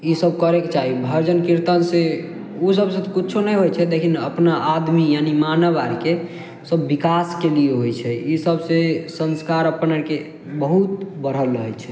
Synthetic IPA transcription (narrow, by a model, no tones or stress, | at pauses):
isəb̚kəɾeket͡ʃaɦibʱəɾd͡ʒənkiɾt̪ənse | osəbsẽt̪ɔkitːt͡ʃʰonɛjɦojt͡ʃʰɛd̪ekʰinə̰pnaʔad̪mijanimanəʋaɾike | səbːikaskelieɦojt͡ʃʰɛisəbsesə̃nskaɾəpənəke | bəɦut̪̚bəɾ̤əlːəɦɛt͡ʃʰɛ